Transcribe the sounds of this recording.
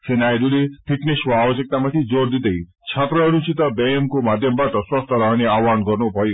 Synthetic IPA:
senajd̪ulipʰikniswabɔsik̚t̪amat̪ʰid͡ʒoɾd̪id̪ej | t͡ʃʰat̪ɾɔɾut͡ʃʰit̪ɔbeemkumad̪ʱjɔmbaʈɔswɔst̪ʰɔɾɔɦaniawanɡɔɾnupɔj

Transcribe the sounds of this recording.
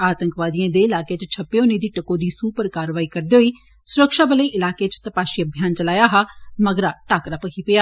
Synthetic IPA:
aːt̪əŋkʋaːd̪iẽːd̪eːɪlaːkeːt͡ʃt͡ʃʰəpːeoniːd̪iːʈəkõːd̪iːsuːpəɾkaːɾʋaːiːkəɾd̪eːɦoiː | sʊɾəkʃaːbələiːʔɪlaːkeːt͡ʃt̪əpaːʃiːəbʱjaːnt͡ʃəlaːjaːɦaːməɡɾaːʈaːkɾapəkʰiːpɪjaː

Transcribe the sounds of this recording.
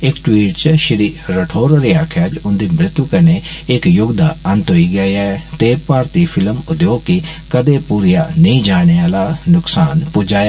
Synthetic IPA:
ɪkʈwiːʈt͡ʃʃɪɾiːɾəʈʰoːɾoːɾeːaːkʰjaːd͡ʒʊnd̪iːmɾɪt̪ːuːkəneːɪkjʊɡd̪aːənt̪ɦoiːɡəeaːt̪eːpaːɾt̪iːpʰɪlmʊd̪joːkikəd̪eːpuːɾijaːnəĩːd͡ʒaːɽeːaːlaːnʊksaːnpʊd͡ʒaːja

